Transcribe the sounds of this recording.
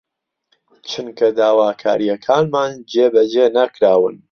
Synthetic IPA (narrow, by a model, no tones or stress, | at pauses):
t͡ʃʰɨnkʰɐd̪aːwaːkʰa̰ːɾijɐkʰaːnmaːnd͡ʒeːbɐd͡ʒeːnakɾaːwɨ̰n